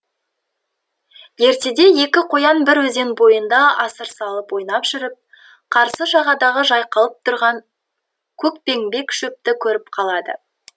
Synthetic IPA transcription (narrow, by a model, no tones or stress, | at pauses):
je̞ɾt̪e̞d̪e̞je̞kʲɪqʰo̞jɑnbɪɾwɵze̞nbo̞jənd̪ɑɑsəɾsɑlˠəpwo̞jnɑpʒ̥ɪɾɪp̚ | qʰɑɾsəʒɑʁɑd̪ɑʁəʒɑjqɑlˠəp̚t̪ʰʊɾʁɑŋ | kʲʰɵkpe̞ŋbe̞kʃɵp̚t̪ɪkʲʰɵɾɪp̚qʰɑlˠɑd̪ə̰